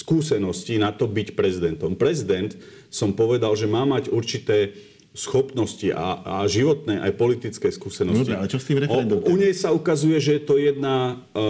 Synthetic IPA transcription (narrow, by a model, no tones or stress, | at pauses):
skuːsɛnɔscinat̪ɔbicpɾɛzid̪ɛnt̪ɔmpɾɛzid̪ɛnt̪ | sɔmpɔʋɛd̪alʒɛmaːmaɟuɾt͡ʃit̪ɛː | sxɔpnɔsciʔa̰aʒiʋɔt̪nɛːʔa̰jpɔlit̪it͡skɛːskuːsɛnɔsiɛalɛt͡ʃɔst̪iːmɾɛɔɛuɲɛjsaukazujɛʒɛjɛt̪ɔjɛd̪na